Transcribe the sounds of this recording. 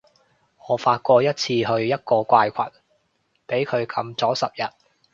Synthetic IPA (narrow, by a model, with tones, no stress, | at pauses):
ŋɔː˨˥faː˧t̚kʷɔː˧jɐ˥t̚t͡sʰiː˧ɦɵ˧ɥjɐ˥t̚kɔː˧kʷaː˧jkʷʰɐ̰˨t̚ | pe˨˥jkʰɵ˨˧ɥkʰɐ˨˧mt͡sɔː˨˥sɐ˨p̚jɐ˨˩t̚